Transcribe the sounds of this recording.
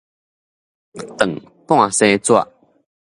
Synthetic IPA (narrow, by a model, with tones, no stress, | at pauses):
t̪ə˨˩ŋ | pw̃ã˥˧sẽ˦t͡swa̰˧˨ʔ